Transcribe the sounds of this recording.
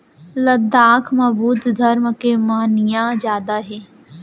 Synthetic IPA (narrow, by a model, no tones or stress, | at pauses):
lɐd̪aːkʰmɐbuːd̪d̪ʱɐɾmkemaːnijãd͡ʒjaːd̪aɦeː